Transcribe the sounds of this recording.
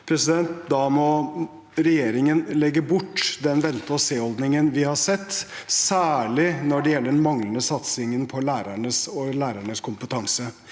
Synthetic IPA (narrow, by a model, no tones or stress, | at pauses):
pʰɾɛsɪd̪ɛnt̪̚d̪ɑmɔ | ɾɛjeːɾɪŋənlɛɡːəbʊʈːd̪ɛnʋɛnt̪əɔseːɔld̪nɪŋənʋɪhɑʂɛt̪ːsæːɭɪnɔɖɛjɛlːəɖɛnmɑŋlənəsɑt̪sɪŋənpʰɔlæːɾæɳəsɔlæːɾæɳəskʰʊmpət̪ʰɑŋsə